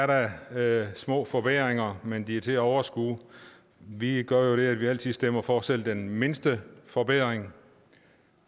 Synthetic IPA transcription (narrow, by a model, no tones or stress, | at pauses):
æɐɾɑ | smɔ̰̽ːfɒ̽b̥eð̰ʁeŋɐmend̥iæɐt͡sʰe̝æɒʊɐsɡ̥ṵː | ʋiɡ̥ɶɐjo̝ɾ̥e̝æd̥ʋiæl̰t͡sʰið̩ˠsd̥em̰ɐfɒːsel̰d̥enme̝nsd̥əfɒ̽b̥eð̰ˠʁeŋ